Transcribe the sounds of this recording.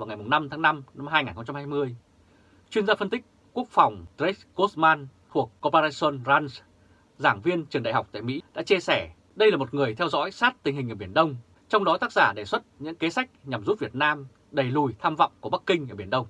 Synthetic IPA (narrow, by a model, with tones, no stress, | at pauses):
vaː˨˩wŋa˨˩jmʊ˨˩ŋ͡mna˧mt̪ʰaː˨˦ŋna˧mna˧mɦaː˧jŋaː˨˩nxə˧ŋ͡mt͡ɕa˧mhaː˧jmɨ˧əj | t͡ɕwi˧ənzaː˧fə˧nt̪ï˦˥k̟̚ | ku˦˥ək̚fa˨˩wŋ͡mt̪ɾe˦˥ko˦˥smaː˧nt̪ʰu˨˩əkːo˧paː˧a˧so˧nzaː˧ns | zaː˧˩ŋvi˧ənt͡ɕɨ˨˩əŋɗa̰˧˨˩ɦa˨˩wk͡p̚t̪a̰ː˧˨jmḭ˧˥ɗa̰ː˧˥t͡ɕi˧sɛ˧˩ | ɗə˧jlaː˨˩mo˨˩t̚ŋɨ˨˩əjt̪ʰɛ˧wzɔ̰˧˥jsaː˦˥t̚t̪ï˨˩ŋ̟ɦï˨˩ʔəː˧˩ɓi˧˩ənɗə˧wŋ͡m | t͡ɕɔ˧wŋ͡mɗɔ˨˦t̪aː˦˥k̚zaː˧˩ɗe˧˩swə˦˥t̚ɲɨ̰˧˥ŋke˨˦sa˦˥jk̟̚ɲa˨˩mzu˦˥t̚vi˨˩ət̚naː˧m | ɗə˨˩jlu˨˩jt̪ʰaː˧mva̰˧˨wŋ͡mku˧˩əɓa˦˥kːï˧ŋ̟ʔəː˧˩ɓi˧˩ənɗə˧wŋ͡m